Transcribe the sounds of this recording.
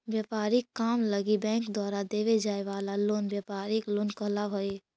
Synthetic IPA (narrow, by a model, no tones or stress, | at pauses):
bjəːpaːɾɪkːaːmləɡibɛ̃ːŋkd̪waːɾad̪eːʋed͡ʒaːeʋaːlaloːnbjaːpaːɾɪkloːnkəlaɦoe